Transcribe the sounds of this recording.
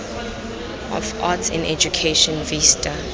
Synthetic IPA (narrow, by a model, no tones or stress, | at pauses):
ɔ̰fatsɪ̰̃nɛ̰d͡ʒukʰeʃɔ̃nvistʰa